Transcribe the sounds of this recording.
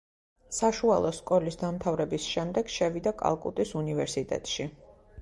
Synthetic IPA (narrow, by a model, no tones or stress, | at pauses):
saʃualˠɔskʼɔlisd̪amt̪ʰavɾɛbisʃɛmd̪ɛɡ̥ʃɛvid̪akʼa̰lˠkʼṵt̪ʼisunivɛɾsit̪ʼɛ̰t̪ʼʃi